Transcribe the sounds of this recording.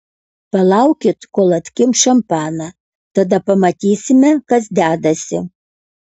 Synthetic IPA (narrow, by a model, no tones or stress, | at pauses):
pɐlˠɑʊkʲɪt̪koːlˠɐt̪ʲkʲɪmʃɐmpɑːnɐ | t̪ɐd̪ɐpɐmɐt̪ʲiːsʲɪmʲɛkɐs̬d̪ʲæːd̪ɐsʲɪ